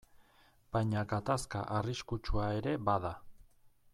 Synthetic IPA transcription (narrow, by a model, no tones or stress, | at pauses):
b̥ajɲaɡat̪aska̰ʔariskut͡ʃuae̞ɾe̞baða